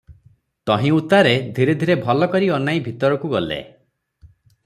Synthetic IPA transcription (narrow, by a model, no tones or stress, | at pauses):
t̪ɔɦĩut̪aɾed̪ʱiɾed̪ʱiɾebʱɔlɔkɔɾiɔnaibʱit̪ɔɾɔkuɡɔlḛ